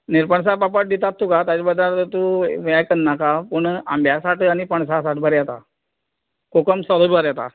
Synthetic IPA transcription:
niɾpəɳs̬apapəʈ̚d̪it̪at̪ːukat̪at͡ɕabəd̪ʱːaɾt̪ət̪uʋajkənːakapəɳa̰mbʱjasaʈaɽ̃ipəɳsas̬aʈʰbʱəɾjɛt̪a̰ | kokəmsɔlobbaɾjɛt̪a̰

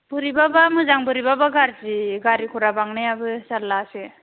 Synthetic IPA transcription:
b̥ɯɾibabamɯzaŋbɯɾibabaɡaɾtiɡaɾikʰuɾabaŋnajabɯsalːase

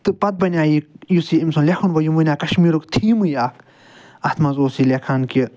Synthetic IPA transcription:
t̪ɨpɐt̪̚bɐnʲaːjikjusiimsunlʲexʰunʋɐjumɨnʲaːkɐʃmiːɾukt̪ʰiːmɨjaːk | ɐt̪ʰmɐzoːsiːlekʰanki

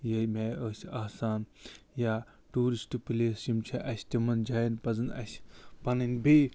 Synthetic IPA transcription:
jɐmeːəːsʲaːsaːn | jaː | ʈuːɾisʈpileːsimt͡ʃʰɐʔɐsʲt̪ʲimɐnd͡ʒajnpɐzɨnɐ̰sʲpɐninbi

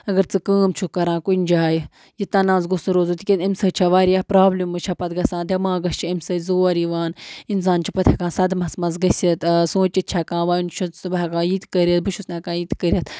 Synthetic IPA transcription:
ɐɡɐɾt͡sɨkəːmt͡ʃʰukɐɾãːkunʲd͡ʒaːji | jit̪ɐnãːzɡusuɾoːzut̪ʰikʲinɐmʲsɐt͡ʃʰɐʋaːɾijaːpɾaːblimɨt͡ʃʰɐpɐt̪̚ɡɐsãːnd̪ʲɐmãːɡɐst͡ʃʰiɐmsɐzoːɾiʋaːnins̬aːnt͡ʃʰipɐt̪ʲʰɐkãːnsɐd̪mɐsmɐzɡɐsʲɐt̪sõːt͡ʃit̪̚t͡ʃʰɐkãːʋaːunt͡ʃʰusɨbakãːjit̪kəɾɐt̪̚buʃusnɐːkãːjit̪kəɾʲɐt̪

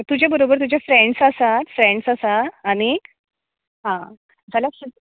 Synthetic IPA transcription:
t̪ud͡ʑʱabəɾobəɾt̪̬ud͡ʑafɾẽɳɖsasat̪fɾeɳɖsasaːɽ̃i | ɦã | d͡zʱaljaɕi

